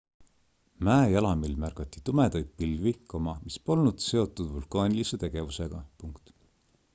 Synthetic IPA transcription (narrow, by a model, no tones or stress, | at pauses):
mæːejɑlɑmilmærɡ̥ɑt̪ːˑi̥t̪umed̪̥ɑjd̪̥̚pilvikomɑmispo̞lnud̪̥se̞o̞t̪ːˑud̪̥vulkˑɑːnʲilise̞t̪e̞ɡ̥e̞vuse̞ɡ̥ɑpuŋkt̪